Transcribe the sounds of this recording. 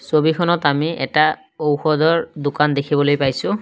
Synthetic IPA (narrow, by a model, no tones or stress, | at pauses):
sobikʰɔnɔtamiɛ̰ta | owxɔdɔɹdʊkandekʰibɔlojpajsʊ̃